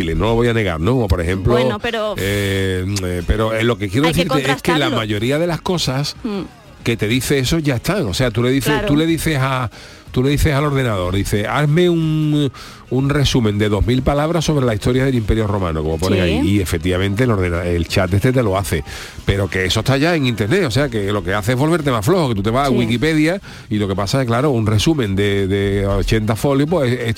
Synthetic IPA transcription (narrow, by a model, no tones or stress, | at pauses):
ileno̞lo̞βo̞jane̞ɣa̰ɾnõːpo̞ɾehẽ̞mploe | pe̞ɾo̞elo̞kekjeɾoeθiɾt̪eeskelamaʝo̞ɾiaðe̞lasko̞sas | ke̞t̪e̞ðiθe̞eso̞ʝae̞st̪aŋo̞seat̪uleðiθet̪ule̞ðiθesa | t̪ule̞ðiθe̞salo̞ɾðe̞naðo̞ɾðiθe̞ame̞uŋ | unre̞sumẽnd̪eðo̞ɦmilpalaβ̞ɾaso̞βɾe̞laiht̪o̞ɾjaðelimpe̞ɾjo̞ro̞mã̰nokomopo̞nneŋaiie̞fek̚t̪iβamẽnt̪elo̞ɾðenaelt͡ʃat̪et̪et̪̬e̞lo̞aθe̞ | pe̞ɾo̞ke̞eso̞et̪ʰaʝae̞ŋint̪e̞ɾne̞o̞se̞ake̞lo̞ke̞aθe̞eɦβo̞lβ̞eɾt̪̬e̞maflo̞hoke̞t̪ut̪̬e̞βaaɣwikipe̞ðja | ilo̞ke̞pasakeklaɾounre̞sumẽ̞nd̪e̞ðe̞ot͡ʃe̞nt̪afo̞ljop̬woee